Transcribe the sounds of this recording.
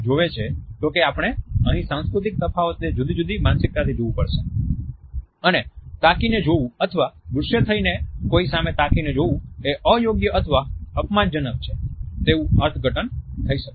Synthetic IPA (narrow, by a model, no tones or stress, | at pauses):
d͡ʒoʋet͡ʃʰet̪okeapɽ̃eəɦĩsãnskɾut̪̬ik̚səfaət̪ed͡ʒud̪id͡ʒud̪imansɪk̚t̪at̪ʰid͡ʒoʋũpəɽʃe | ənet̪akined͡ʒoʋũət̪ʰəʋabɾʊʃjət̪ʰəinekoisamet̪akined͡ʒoʋũeʔəjoɡjəʔət̪ʰəʋaəpmand͡ʒənək̚t͡ʃʰet̪eũəɾt̪ʰɡʱəʈənt̪ʰəiʃəke